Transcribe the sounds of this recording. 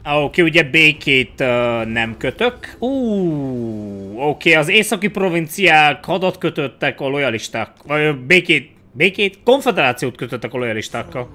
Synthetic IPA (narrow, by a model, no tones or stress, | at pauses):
oːkeːuɟɛbeːkeːt̪ønɛmkøt̪økuː | oːkeːɒzeːsɒkipro̞vint̪sijaːkhɒd̪ɒt̪kø̞t̪øt̪ːɛkɒlo̞jɒliʃt̪aːkbeːkeːt̪̚ | beːkeːt̪ko̞ɱfɛd̪ɛɾaːt̪sijoːt̪køt̪øt̪ːɛkɒlo̞jɒliʃt̪aːkːɒl